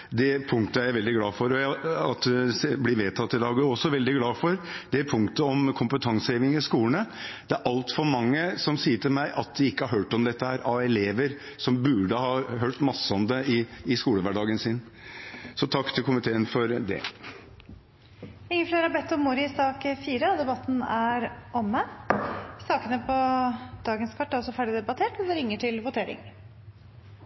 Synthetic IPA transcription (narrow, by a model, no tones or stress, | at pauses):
d̪ɛpʰʊŋkt̪əææʋɛld̪ɪɡlɑːfɔɾɔjɑt̪ːblɪʋeːt̪ʰɑt̪ːɪd̪ɑːɡɔsːɔʋɛld̪ɪɡlɑːfɔɾd̪̥ɛpʰʊŋkt̪əɔmkʰʊmpət̪ʰɑŋsəeːʋɪŋɪskuːlənəd̪̥ɛæɾʔɑlt̪fɔɾmɑŋːəsɔmsiːəʈʰɪlmæɪʔɑt̪̚d̪ɪɪkːəhɑɾɦøːʈɔmd̪ɛt̪ːəhæːɾʔɑʋɛleːʋəɾ | sɔmbʉɖəhɑːɦøːʈmɑsːəɔmd̪ɛɪɪskuːləʋæɖɑːɡənsɪn | sɔt̪ʰɑkːt̪ʰɪlkʊmɪt̪ʰeːənfɔɾd̪ɛ̰ | ɪŋːəfleːɾɑɾbɛt̪ːɔmʊɾɪsɑːkfiːɾəɑd̪ɛbɑt̪ːn̩æɾʔɔmə | sɑːkənəpʰɔd̪̥ɑːɡənskʰɑʈːæɾɔsɔfæːɖɪd̪ɛbɑt̪ʰeːʈɔd̪ɛɾɪŋːəʈʰɪlʋʊt̪ʰeːɾɪ̰ŋ